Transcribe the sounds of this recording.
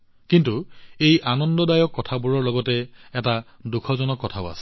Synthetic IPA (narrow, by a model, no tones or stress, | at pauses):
kintuejʔanɔndɔdajɔkːɔtʰabuɹɔɹlɔɡɔtɛɛta | dukʰɔzɔnɔkːɔtʰaʊa̰sɛ̥